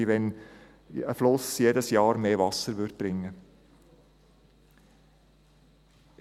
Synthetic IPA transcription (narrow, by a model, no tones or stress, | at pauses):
ʋɛn | əflʊsjeːdəsjɑːɾmeːvɑsəɾʋʏrd̥̚b̥ɾɪŋːə